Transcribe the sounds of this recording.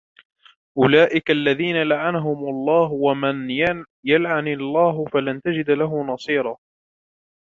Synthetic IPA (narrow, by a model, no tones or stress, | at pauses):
ʔʊlaːʔɪkaalːaðiːnalaʕanaɦʊmʔɑlˤːɑːhwaman | jalʕanɪlˤːaːɦʊfalant̪ad͡ʒɪd̪laɦʊmnɑsˤiːɾˤɑː